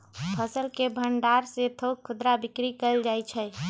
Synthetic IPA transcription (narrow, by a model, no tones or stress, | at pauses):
pʰəsəlkebʱəɳɖaɾset̪ʰokʰːʊd̪ɾabikɾikəld͡ʒajt͡ʃʰɛ